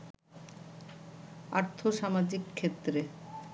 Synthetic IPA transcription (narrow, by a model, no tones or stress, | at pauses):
a̰ɾt̪ʰoʃamad͡ʑikʰːet̪ːɾe